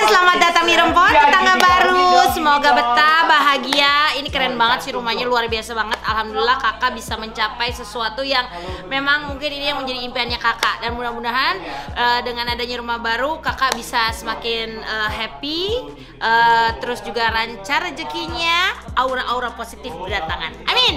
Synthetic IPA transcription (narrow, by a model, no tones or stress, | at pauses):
səlamat̪̚dat̪aŋiɾəmpɔt̪̚at̪aŋɡabaɾusəmoɡabət̪abaɦaɡiainikəɾɛnbaŋət̪̚siɾumahɲaluarbiasabaŋət̪alɦamdulilahkakaʔbisaməɲt͡ʃapajsəsuat̪ujaŋ | memaŋmuŋkɪninijaŋməɲd͡ʒadiːmpeanɲakakaʔdanbunahbunaɦanʔəːdəŋanadaɲaɾumahbaɾukakabisasəmakɪnəɦɛpi | ʔət̪əɾʊsd͡ʒuɡaɾaɲt͡ʃard͡ʒəkiɲaauɾaʔauɾaposit̪ɪfpərdat̪aŋa̰nʔamin